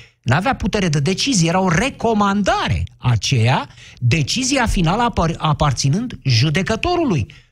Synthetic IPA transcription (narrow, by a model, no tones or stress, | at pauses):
neaveaput̪e̞ɾe̞d̪ed̪e̞t͡ʃizijeɾaore̞ko̞mand̪aɾe̞̰at͡ʃe̞jad̪e̞t͡ʃizijafinaləapart̪sinɨnd̪ʒud̪e̞kət̪o̞ɾuluj